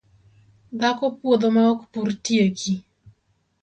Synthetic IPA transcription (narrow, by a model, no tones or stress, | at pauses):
d̪akɔpwod̪omaɔkpurtjeki